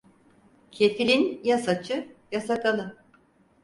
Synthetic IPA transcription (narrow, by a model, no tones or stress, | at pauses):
cʰefilʲinjasat͡ʃʰɯjasakalˠɯ